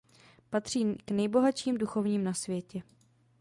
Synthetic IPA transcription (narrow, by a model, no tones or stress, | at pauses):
pat̪r̝̥iːknɛjbo̞ɦaʃiːmduxo̞vɲiːmnasvjɛcɛ